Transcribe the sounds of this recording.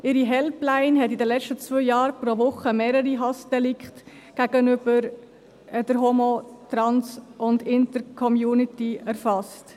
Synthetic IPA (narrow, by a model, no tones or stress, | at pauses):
ʔɪɾiɦɛlplaɪnɦɛtidəlɛt͡ʃtət͡svœɪjɑːɾpɾoʋʊχəmeːɾəɾiɦɑsd̥ɛlɪkt | ɡ̥æɡ̥ənʏb̥əɾ | d̥əɾɦomotɾɑnsʊndɪntəɾkʰɔmjuːnɪtiæɾfɑst